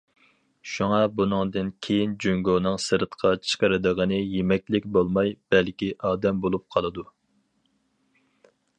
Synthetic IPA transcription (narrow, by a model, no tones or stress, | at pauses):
ʃuŋɑbunɨŋd̪ɨnkʲʰejind͡ʒyŋɡonɨŋsɨɾt̪qʰɑt͡ʃʰə̥qəɾɨd̪əʁənɨjemɛkʲlɪk̚ʲbolˠmɑjb̥ɛlkʲiʔɑːd̪ɛmbolˠup̚qʰɑlˠɨd̪u